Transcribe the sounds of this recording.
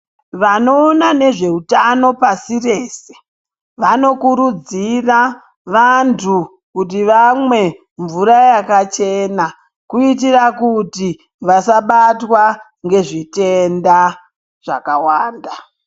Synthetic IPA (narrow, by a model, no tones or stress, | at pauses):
ʋano̞ːnane̞ʐe̞utano̞pasire̞ːse̥ | ʋano̞kuɾud͡zira | ʋantʰu | kut̬iʋamwe̞ | ɱvuɾajakat͡ʃe̞na | kuit̬irakuti | ʋasaɓatwa | ŋɡe̞ʐite̞nda | ʐ̥a̰kawaːnda